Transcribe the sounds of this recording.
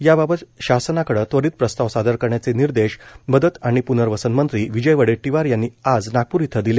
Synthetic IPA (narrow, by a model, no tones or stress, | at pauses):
jababət̪ɕasənakəɽəːt̪ʋəɽiːt̪̚pɾəst̪aʋsad̪ʱəɾkəɾɳjat͡seniɾd̪eɕbəd̪ʱət̪aɽ̃ipunəɾʋəsənmənt̪ɾiːʋid͡ʑəjʋəɽeʈiʋaɾjanːiːad͡znaɡ̚puɾit̪ʰəd̪ile